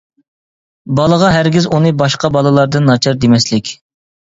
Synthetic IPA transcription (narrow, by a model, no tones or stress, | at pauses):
bɑlˠəʁɑɦæɾɡʲizunɨbɑʃqɑbɑlˠɨlˠɑɾd̪ɨnːɑt͡ʃʰɑɾd̪emɛslɪkʲ